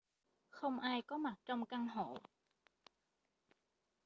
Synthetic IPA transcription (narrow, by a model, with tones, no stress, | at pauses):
xə˧wŋ͡mʔaː˧jkɔ˨˦ma˨˩t̚t͡ɕɔ˧wŋ͡mka˧ŋɦo˧˩˨